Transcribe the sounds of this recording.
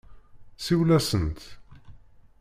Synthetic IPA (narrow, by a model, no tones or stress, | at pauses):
siwlæsənt̪